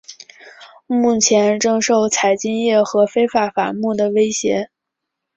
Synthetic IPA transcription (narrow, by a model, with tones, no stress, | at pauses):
mu˥˩t͡ɕʰjɛ˧˥nʈ͡ʂɤ˥˧ŋʂo˥˩ʊt͡sʰa˨˩ɪt͡ɕi˥ŋjɛ˥˩xɤ˧˥fe˥ɪfa˨˩fa̰˨˩mu˥˩d̪ə˩we˥ɪɕjɛ˧˥